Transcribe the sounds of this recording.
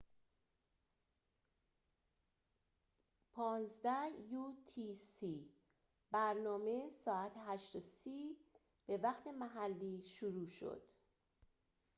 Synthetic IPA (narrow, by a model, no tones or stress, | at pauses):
pʰɒːnzd̪æhjut̪ʰisi | bæɾnɒːme̞sɒːæt̪ʰeɦæʃt̪osiː | b̥e̞væχt̪ʰe̞mæɦælːiːʃuɾuːʃo̰d̪̥